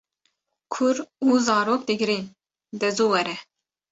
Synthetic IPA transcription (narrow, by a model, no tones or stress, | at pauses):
kʰʊɾuːzɑːɾoːk̚d̪ɪɡɾin | d̪ɛzuːwɛɾɛ